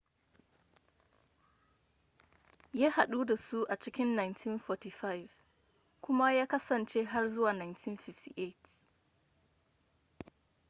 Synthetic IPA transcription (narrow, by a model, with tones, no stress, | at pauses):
jaː˦ha˨ɗu˦da˨su˦ʔa˨t͡ʃɪ˦kʲɪ˦nːa˨jntʰi˦nfɔ˨ti˨fa˦jv | kʷʊ˦ma˦jaː˦kɐ˦sɐ˨nt͡ʃe˦ɦa˦rzʊ˦waː˨na˨jntʰi˦nɸɪ˦ftḭ˨ʔe˦˨t